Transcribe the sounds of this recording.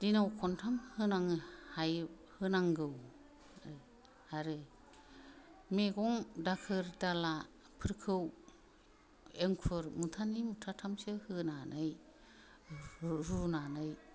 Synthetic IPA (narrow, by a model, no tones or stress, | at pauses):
dinawkʰɔntʰamhɯnaŋhaj | hɯnaŋɡɯw | haɾɯ | meɡɔŋdakʰɯɾdala | pʰɯɾkʰɯw | eŋkʰɯɾmutʰanimutʰatʰamsɯhɯnanʔɯj | ɾunanɯj